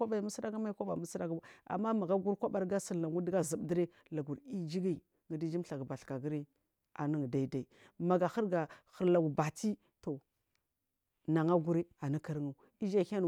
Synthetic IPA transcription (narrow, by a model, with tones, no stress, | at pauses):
a˦ba˨mu˦sɾa˦ɡa˦ma˦kʷa˦ɓa˨mu˦sɾa˦ɡa̰˨mːa˦ma˨ɡa˦ɡu˦ɾkʷa˦ba˦˨ɾɡa˦si˨ɾa˨ŋu˦dɡa˦zi˨bdə˦ɾe˦ | la˨ɡu˨ɾi˦d͡ʒi˦ɡi˦ | ŋə˨di˦d͡ʒi˦m˦ɬa˨ɡba˨ɬka˨ɡi˦ɾi˦ | a̰˨ni˦ŋ˨da˨i˦da˨i˨ma˨ɡa˨xə˦ɾɡa˨xə˨ɾla˨ɡu˨ba˨ti˦ | to˨ | na˨ŋa˦ɡu˦ɾi˦a˨na˦ka˦ɾŋa˨ | i˦d͡ʒa˦˨ha˦n˨